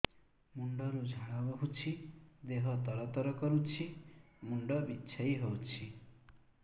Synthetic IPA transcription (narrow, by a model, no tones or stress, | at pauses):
muɳɖɔɾud͡ʒʱaɽabɔɦut͡ʃʰid̪eɦɔt̪ɔɽɔt̪ɔɾɔkɔɾut͡ʃʰi | muɳɖɔbitːt͡ʃʰajɦowt͡ʃʰi